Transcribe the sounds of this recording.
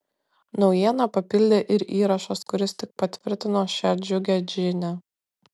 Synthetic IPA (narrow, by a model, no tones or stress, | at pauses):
nɒʊjiɛnɐpɐpʲɪlʲd̪ʲeːʔɪɾiːɾɐʃɐskʊɾʲɪst̪ʲɪk̚pɐt̪ʲʋʲɪɾʲt̪ʲɪnoːʃʲæd͡ʒʲʊɡʲɛd͡ʒʲɪnʲɛ